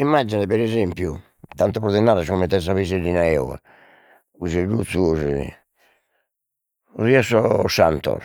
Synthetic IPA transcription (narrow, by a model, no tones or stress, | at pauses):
imːad͡ʒinɛpɛɾɛzempju | t̪ant̪ɔpɾɔðɛnːaːɾaskɔmɛnt̪ːɛs̬aβiselːinaɛɔ̰a̰ | uzerut̪suz | uriasɔsa̰nt̪ɔ̰ɾ